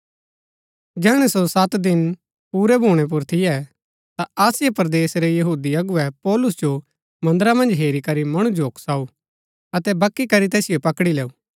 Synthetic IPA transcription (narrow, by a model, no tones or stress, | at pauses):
d͡ʒɛːɽ̃ɛsosɐt̪d̪ɪn | puːɾɛbʱuːɽ̃ɛp̬ʊɾt̪ʰɪjɛ | t̪aɐsɪjepɐɾd̪eːsɾejɐɦuːd̪iɐɡʊɛpɔːlʊs̬d͡ʒo | mɐ̃nd̪əɾamɐ̃nd͡ʒɦeːɾikɐɾimɐɽ̃ũd͡ʒoːksaːu | ɐt̪ɛbɐkːikɐɾit̪ɛːsɪjopɐkɽileːuː